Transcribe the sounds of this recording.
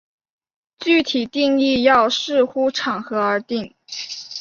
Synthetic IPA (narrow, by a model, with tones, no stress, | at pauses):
t͡ɕy˥˩t̪ʰi˨˩t̪i˥˧ŋi˥˧jɑ˥˧ʊʂɻ̩˥˩˧xu˥ʈ͡ʂʰɑ˨˩ŋxɤ˧˥ə˞˧˥t̪i˥˩ŋ